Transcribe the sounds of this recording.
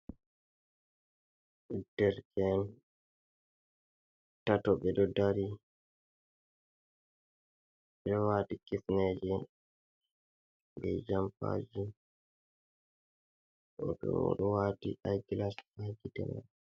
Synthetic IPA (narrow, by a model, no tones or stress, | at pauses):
d̥ɛɾkʰɛn | tatɔɓɛdɔdaɾi | ɛɔwaːtikifnɛd͡ʒɛ | ɡɛd͡ʒampa̰d͡ʒi | ɔ̰ɓɛ̰wɔ̰ɗɔwatiʔajɡilashad͡ʒitɛ̰ma̰